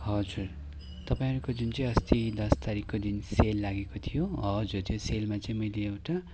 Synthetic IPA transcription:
ɦʌd͡zur | t̪ʌpaĩɦʌɾukod͡zint͡sʌ̃ĩʌst̪id̪ʌst̪aɾikːod̪inselːaɡekot̪ʰijoɦʌd͡zurt̪joselmat͡sʌ̃ĩmʌjleːwʈa

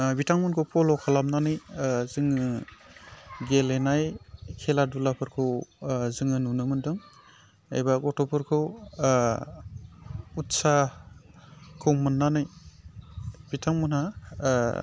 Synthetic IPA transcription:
bitʰaŋmunkʰɯwpɔlɔkʰalamnanɯjzɯŋɯ | ɡelenajkʰeladulapʰɯɾkʰɯwzɯŋɯnunɯmɯndɯŋ | ḛjbakɔtɔpʰɯɾkʰɯw | utsa | kʰɯwmɯnːanɯj | b̥itʰaŋmɔnha

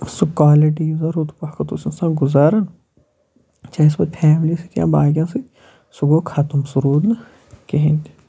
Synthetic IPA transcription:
sukaːleʈiuzaɾut̪pɐhkɐt̪usisãɡʊzaːɾɐn | t͡ʃaːsbɐd̪pʰɛːmlisikjã̰ːbaːɡjãːsi | suɡokʰaːt̪umsʊɾuːd̪nɐ | keɦẽnd̪i̥

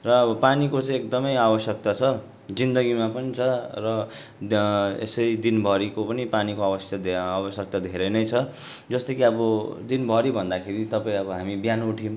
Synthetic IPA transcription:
rʌːʌpanikot͡sʌ̃j̃ek̚d̪ʌmʌjabʌsjʌk̚t̪at͡sʰʌ | d͡zind̪ʌɡimapʌnit͡sʰʌrʌ | ḛsʌɾid̪inbʱʌɾikopʌnipanikoabʌst̪aabʌsjʌk̚t̪ad̪ʱeɾʌjnʌjt͡sʰʌ | d͡zʌst̪ʌkiʌbʌd̪inbʱʌɾibʱʌnd̪akʰeɾit̪ʌpaĩʌbʌɦamibjanuʈʰim

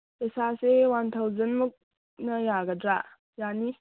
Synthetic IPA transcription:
esasewantʰəwzənmuk̚ | nɐjaɡədɾaʔ | jani

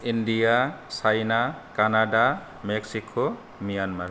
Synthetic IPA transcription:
indijasajnakanada | mɛksikʰo | mijanmaɾ

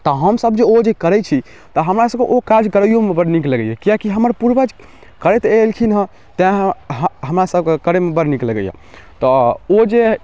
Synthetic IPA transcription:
t̪ɔɦəmsəbd͡ʒeod͡ʒekəɾɛt͡ʃʰi | t̪ɔɦəmɾasəb̚keʔokaɾd͡ʒkəɾəijomebəɾnikləɡəjekijakiɦəməɾpuɾbəd͡ʒ | kəɾɛt̪elkʰinɦə̃ | t̪ɛ̃ɦɦəmɾasəb̚kekəɾemebəɾnikləɡəjḛ | t̪ɔod͡ʒe

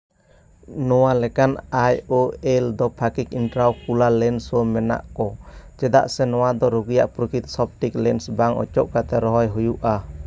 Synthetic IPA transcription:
nɔwalɛkanajoɛld̪ɔpʰakikinʈɾawkulalɛnsɔmɛna̰ʔkɔt͡ʃɛd̪a̰ʔsɛnɔwad̪ɔɾuɡuja̰ʔpɾukit̪̚sɔb̚ʈiklɛnsbaŋɔ̰t͡ʃɔʔkat̪ɛɾɔɦɔjɦujuʔa

